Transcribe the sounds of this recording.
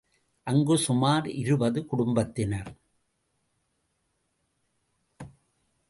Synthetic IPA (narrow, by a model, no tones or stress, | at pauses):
ʔɐŋɡɯsʊmaːɾɪɾɯbɐðɯkʊɽʊmbɐt̪ːɪnɐɾ